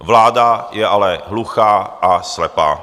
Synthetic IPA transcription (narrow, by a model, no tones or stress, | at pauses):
vlaːdajɛʔalɛɦluxaːʔaslɛpa̰ː